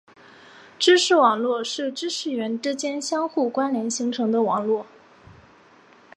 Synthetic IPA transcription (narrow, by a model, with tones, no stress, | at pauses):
ʈ͡ʂɻ̩˥ʂɻ̩˥˩wɑ˨˩ŋlwɔ˥˧ʂɻ̩˥˩ʈ͡ʂɻ̩˥ʂɻ̩˥˩ɥɛ˧˥nʈ͡ʂɻ̩˥t͡ɕjɛ˥nɕjɑ˥ŋxu˥˩kwa˥nljɛ˧˥nɕi˧˥ŋʈ͡ʂʰɤ˧˥ŋd̪ə˧wɑ˨˩ŋlwɔ˥˩